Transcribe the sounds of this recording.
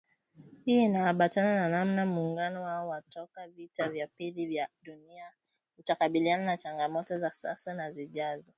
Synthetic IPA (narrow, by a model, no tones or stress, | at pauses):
hiːinahaɓatanananamnamuːŋɡanɔwaɔwatɔkavitavjapilivjaɗunia | utakaɓiliananat͡ʃaŋɡamɔtɔzasa̰sanaziʄazɔ